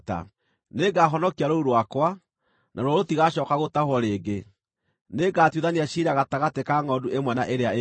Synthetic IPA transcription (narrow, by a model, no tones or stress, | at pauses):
ta̰ | neɡaɦɔnɔkiaɾouɾwakwa | nʔaɾɔɾotiɣaɕɔkaɣotahwɔɾeːɡe | neɡatjuðaniaɕiɾaɣataɣatekaŋɔduemwɛnaʔeɾeae